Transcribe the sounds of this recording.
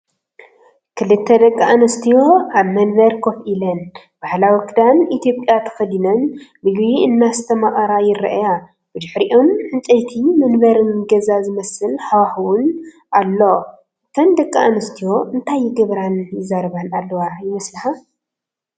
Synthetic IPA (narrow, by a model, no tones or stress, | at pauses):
kʰɨlɨt̪ʰːɐd̪ɐkʼːaanɐst̪ʰijo̞aβmɐnbɐɾkʰofʔilɐn | b̥ahlawikʰɨd̪anit̪ʰijo̞pʼjat̪ʰɐ̥fɐd̪inɐnbɨɡβiɨnːast̪ʰɐmaʔʼɐɾajɪɾɐ̰ʔja | bɨd̪ɨħɾiʔo̞mħɨnt͡sʼɐjt̪ʰimɐnbɐɾɨnɡɐzazɨmɐsɨlħawaxwun | ʔalːo̞ | kʰɐnd̪ɐkʼːaʔanɐst̪ʰijo̞ɨnt̪ʰajːɪɡɐβɾanjɪzːaɾɐβanalːɐwajɪmɐslɨħa